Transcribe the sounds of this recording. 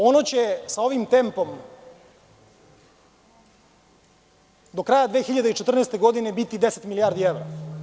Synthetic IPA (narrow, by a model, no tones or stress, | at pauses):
o̞not͡ɕe̞sao̞ʋimt̪e̞mpo̞m | d̪okɾajad̪ʋeːxiʎad̪eit͡ʃet̪r̩neːst̪e̞ɡo̞d̪inebit̪id̪eset̪milijaːɾd̪ievɾa